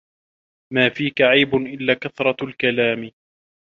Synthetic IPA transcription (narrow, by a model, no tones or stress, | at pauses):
maːfiːkaʕajbʊnʔɪlːaːkaθɾˤɑlkalaːm